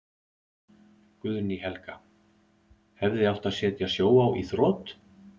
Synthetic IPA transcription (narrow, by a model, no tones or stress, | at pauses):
kʏðniɦɛlka | hɛvðɪawht̪aðsjɛːt̪jasjoːwawʔiθɾɔːt̪